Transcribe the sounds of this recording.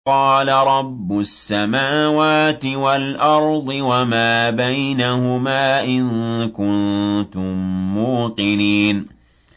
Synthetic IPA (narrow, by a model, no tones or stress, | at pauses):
qɑːlaɾˤɑbːʊsːamaːwaːt̪ɪwalʔɑɾˤd̪ˤɨwamaːbajnahʊmaːʔɪnkʊnt̪ʊmːuːqɨniːn